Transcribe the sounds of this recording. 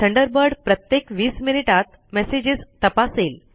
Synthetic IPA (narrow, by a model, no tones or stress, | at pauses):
ʈʰəɳɖəɾbəɾɖpɾət̪jekʋiːsminiʈat̪̚ | mɛsed͡ʑist̪əpasel